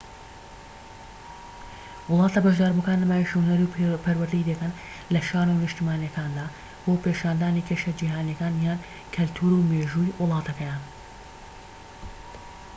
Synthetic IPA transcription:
wɨlˠɑːt̪ɐbɐʒd̪aːɾbukaːnlɐmaːjiʃhnɐɾupʰɐɾwɐɾd̪iːd̪ɐkɐn | lɐʃaːnunɨʃt̪imaːnjɐkaːnd̪aː | b̥oːpeʃaːnd̪aːniːkʰeʃɐd͡ʒiːɦaːnijɐkaːnjaːn | kʰɐlt̪ʰuːɾuːmeːʒuːjwɨlˠɑːt̪ʰɐkɐjaːn

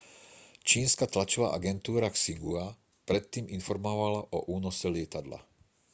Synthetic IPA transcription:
t͡ʃiːnskat̪lat͡ʃɔʋa̰ːʔaɡɛnt̪uːɾaksiɡua | pɾɛt̪ːiːminfɔɾmɔʋalaʔɔʔuːnɔsɛlɪɛt̪ad̪la̰

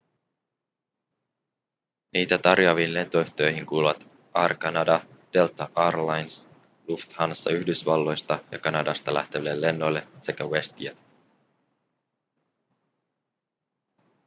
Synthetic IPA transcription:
niːt̪æt̪ɑrjoɑʋiːnle̞nt̪o̞yçt̪ø̞jɦiŋkuːluʋɑt̪ | ɑːrkɑnɑdɑd̥e̞lt̪ɑʔɑːrlɑjns | luft̪hɑnsːɑ̰yçdysʋɑlːo̞jst̪ɑjɑkɑnɑdɑst̪ɑlæ̰ht̪eʋilːe̞lːe̞nːo̞jlːe̞se̞kæwe̞st̪iæt̪

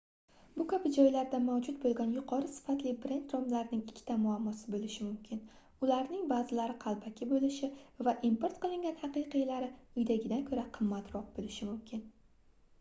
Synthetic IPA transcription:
bʊkʲʰabɪd͡ʒɒjlaɾd̪amawd͡ʒʊt̪̚bolˠɡʲɒnjʊqʰɒɾɪsɪ̥fat̪lɪbɾe̞nt̪ɾomlaɾnɪŋɪkʲʰːt̪amʊamːɒsɪbolɪʃɪmʊmkʲʰɪn | ʊlaɾnɪŋbazɪlaɾɪqʰɑlˠbakʲʰɪbolɪʃɪvaʔimpoɾt̪qɨlˠɪŋɡʲanhɑqɨjqʰɨjlaɾɪʊjd̪aɡʲɪd̪ankʰɵɾaqʰɨmːat̪ɾɒq̚bolɪʃɪmʊmkʲʰɪn

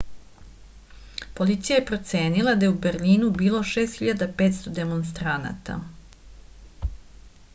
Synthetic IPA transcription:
po̞lit̪sijajepɾo̞t̪se̞ːnilˠad̪ajeubeɾliːnubiːlˠo̞ʃe̞ːst̪xçiʎad̪ape̞ːt̪st̪od̪e̞monst̪ɾana̰t̪a̰

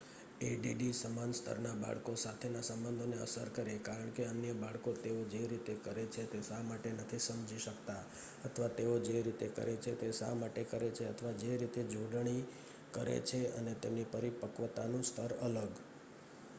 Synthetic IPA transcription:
eɖiɖisəmanst̪ʰə̰ɾnaba̰ɭkosat̪ʰenasəmbənd̪ʱoneə̰səɾkəɾekaɾəɳkeənjəbaɭkot̪eod͡ʒeɾit̪ekəɾet͡ʃʰet̪esamaʈenət̪ʰisəmd͡ʒiʃəkt̪a | ət̪ʰəʋat̪eod͡ʒeɾit̪ekə̰ɾet͡ʃʰet̪esa̰maʈekəɾet͡ʃʰeət̪ʰəʋad͡ʒeɾit̪ed͡ʒũɖɳ̃i | kəɾḛt͡ʃʰeə̰net̪emnipəɾipəkʋət̪anũst̪ʰəɾələɡ

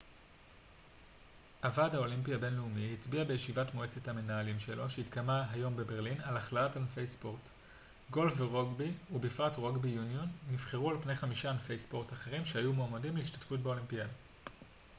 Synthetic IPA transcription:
ʔavadhao̞limpiabe̞nleumiit͡sbiabejeʃivatmoe̞t͡se̞thame̞naalimʃe̞lo̞ʃeitkamaɦajo̞mbe̞be̞ʁlinalaχlaatalnfe̞jspo̞ʁt | ɡo̞lfeʁo̞ɡbiubifatʁo̞ɡbijunijo̞nːifχeʁualpnejχamiʃanfejspo̞ʁtaχe̞ʁimʃehajumoːmadimleiʃtḁtfut̚beo̞limpiad

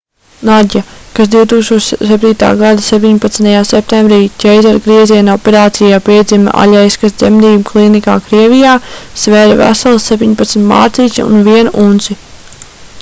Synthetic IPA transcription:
naɟʲakas̬d̪iwt̪uːkst̪uːʃsɛp̚t̪ʲiːt̪a̰ːɡad̪asep̚ʲt̪iɲpat̪snt̪ajaːsɛp̚t̪embɾiːcʲɛjzaɾɡɾiɛziɛnopeɾaːt̪sijaːpiɛd̪zima̰ʔa̰ʎʲɛjskasd̪zemd̪iːbuklˠinika̰ːkɾiɛvijaːsvɛːɾavæ̰salˠsːep̚ʲt̪iɲpat̪smʲt̪ma̰ːɾt̪iːt͡ʃa̰ṵnviɛnuʔunt̪si

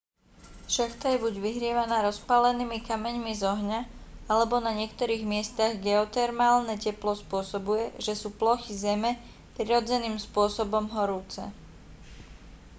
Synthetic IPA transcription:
ʃaxt̪ajɛbuɟʋiɦɾɪɛʋanaːɾɔspalɛniːmikamɛɲmizɔɦɲaalɛbɔnaɲɪɛkt̪ɔɾiːɣmɪɛst̪aɣɡɛɔt̪ɛɾmaːlnɛcɛplɔspʊɔsɔbujɛʒɛsuːplɔxizɛmɛ | pɾiɾɔd͡zɛniːmspʊɔsɔbɔmɦɔɾuːt͡sɛ̰

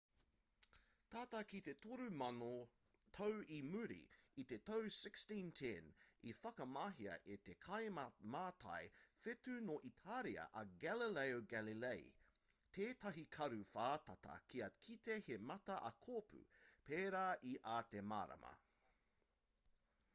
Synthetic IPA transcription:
t̪ʰaːt̪ɐkit̪et̪oɾʉmɐno | t̪ʰowimʉɾḭit̪et̪owsɪkstĩntʰɛ̃nifɐkɐmɐɦiɐ̰ʔet̪ekʰɐjmaːt̪ʰɐ̰jfet̪ʉnoʔit̪ʰaɾiɐ̰ʔɐɡælilejoɡælilej | t̪ʰeːt̪ɐɦikʰɐɾʉfaːt̪ɐt̪ɐ̰kʰiɐkʰit̪ehemɐt̪ɐʔɐkʰoːpʰʉ̰pʰeːɾaːʔiʔaːt̪ema̰ːɾɐ̰mʔɐ̰

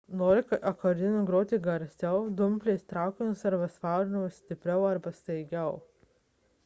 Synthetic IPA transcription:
noːɾʲɪkɐɐkoɾʲɪnʲʊɡɾoːt̪ʲiɡɐɾʲsʲɛʊd̪ʊmʲpʲlʲeːst̪ɾɑˑʊkʲɪnʲʊsɐɾbɐsʋɑˑʊɾʲɪnʲɛʊsʲt̪ʲɪpʲɾʲɛʊɐɾbɐst̪ɐɪɡʲɛʊ

